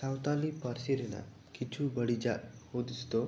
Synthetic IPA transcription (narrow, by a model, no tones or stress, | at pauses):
sawt̪alipaɾsiɾɛna̰ | kit͡ʃʰubəɽid͡ʒaʔhod̪ist̪ɔ